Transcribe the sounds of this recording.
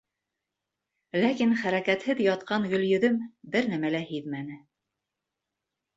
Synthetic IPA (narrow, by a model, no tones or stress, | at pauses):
lækinχæɾækæt̪hɘðjɑt̪qɑŋɡɵ̆ljɵ̆ðɵmbɘɾnæmælæhiðmænɘ